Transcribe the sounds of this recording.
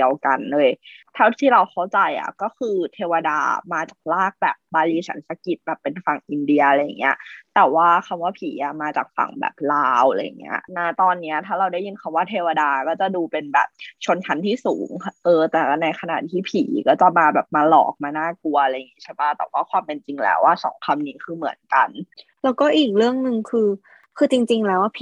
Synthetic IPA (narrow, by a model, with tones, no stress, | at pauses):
i˧əwka˧nlɤː˧jt̪ʰa˦˥˩wt̪ʰiː˥˩ɾa˧wxʰa˦˥˩wt͡ɕa˧jʔa̰˨˩kɔː˥˩kɯː˧t̪ʰeː˧wa˧da̰ː˧maː˧t͡ɕaː˨˩k̚laː˥˩k̚bɛ̰ː˨˩p̚baː˧liː˧t͡ɕʰa̰˦nsa˧ki˨˩t̪̚bɛː˨˩pːe˧nfa˨˩ŋʔi˧ndi˧ɐʔa˧ɾa˧ja̰˨˩ŋːi˦˥ɐ˧ʔt̪ɛː˨˩waː˥˩kʰa˧mwaː˥˩pʰiː˩˦ʔa˧maː˧t͡ɕaː˨˩k̚fa̰˨˩˦ŋbɛ̰ː˨˩p̚laː˧wlaː˧ja̰˨˩ŋːḭ˦˥ɐ˩naː˧˩t̪ɔː˧nːi˦˥ɐt̪ʰaː˥˩ɾa˧wda˥˩jɯ˧nkʰa˧mwaː˥˩t̪ʰeː˧wa˧daː˧kɔː˥˩t͡ɕa˨˩duː˧pe˧nbɛ̰˨˩p̚t͡ɕʰo˧nkʰa˦˥nt̪ʰiː˥˩suː˩˦ŋʔɤː˧t̪ɛ˨˩˧na˧jkʰa˧na̰˨˩t̪ʰiː˥˩pʰiː˩˦kɔː˥˩t͡ɕa˨˩maː˧bɛː˨˩p̚maː˧lɔ̰ː˨˩k̚maː˧naː˥˩ku˧ɐʔa˧ɾa˧ja˨˩ŋiː˦t͡ɕʰa˦˥˩ba˥˩t̪ɛ̰˨˩waː˥˩kʰwaː˧mpe˧nt͡ɕi˧ŋlɛ̰ː˦˥wʔaː˥˩sɔ̰ː˩˦ŋkʰa˧mniː˦˥kʰɯː˧mɯ̰˨˩˦ənka˧n | lɛː˦˥wkɔː˥˩ʔiː˨˩k̚ɾɯ˥˩əŋnɯ˨˧ŋkʰɯː˧ | kʰɯː˧t͡ɕi˧ŋt͡ɕi˧ŋlɛː˦˥wʔa˥˩pʰː